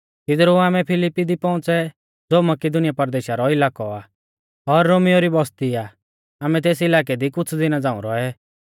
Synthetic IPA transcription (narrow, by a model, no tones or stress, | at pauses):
t̪ɪd̪ɾuaːmɛpʰɪlɪpːid̪ipɔ̃ʊ̃t͡sɛ | d͡zoːmɐkɪd̪ʊnɪjapɐɾd̪eːʃaɾɔɪlaːkɔaː | ɔɾːoːmijoɾibɔst̪iaː | aːmɛt̪̬eːs̬ɪlaːk̬ɛd̪ikʊt͡sʰd̪ɪnad͡zãːũɾɔɛ